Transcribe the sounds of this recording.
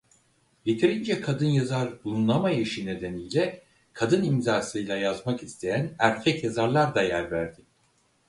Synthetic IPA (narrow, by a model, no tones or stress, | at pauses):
jet̪ʰiɾind͡ʒɛkʰad̪ɯnjazaɾbulˠunlˠamajaʃine̞d̪enijlʲɛ | kʰad̪ɯnimzaːsɯjlʲˠajazmakist̪ʰe̞jænæɾcʰɛcjazaɾlˠaɾd̪ajæɾvæɾd̪ɪ